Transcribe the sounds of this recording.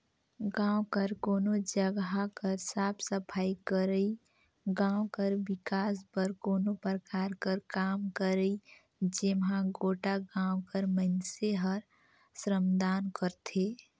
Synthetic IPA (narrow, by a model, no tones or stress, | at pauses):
ɡãːwkəɾkoːnod͡ʒəɡakəɾsaːpʰsəpʰaːikəɾəi | ɡãːwkəɾbɪkaːs̬pəɾkoːnopɾəkaːɾkəɾkaːmkəɾəi | d͡ʒemɦãɡoːʈaɡãːwkəɾmənseɦəɾ | sɾəmd̪aːnkəɾt̪ʰe